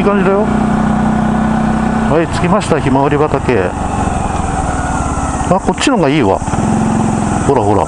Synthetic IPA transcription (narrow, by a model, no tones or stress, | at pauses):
iːkãɲ̟d͡ʑid̪ajo̞ | hait͡sɨ̥kʲimaɕi̥t̪açimaβaɾʲibat̪ake̞̰ | ako̞t͡ɕːinoŋɡaiːβa̰ | ho̞ɾaɦo̞ɾa̰